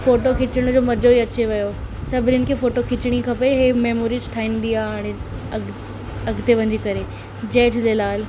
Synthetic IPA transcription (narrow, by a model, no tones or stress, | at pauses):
foːʈokʰɪt͡ɕəɽ̃ʊd͡ʑoːmɐd͡ʑʱoiɐt͡ɕeʋɐjo | sɐbʱɪɾɪnɪ̆kʰeːfoːʈokʰɪt͡ɕɪɽ̃ikʰɐpeɦeːmeːmoːɾid͡ʑʈʰaːĩnd̪iaːaːɽ̃eɐ | ɐɡʱt̪eʋɐ̃ɲd͡ʑikɐɾe | d͡ʑeːd͡ʑʰlelaːl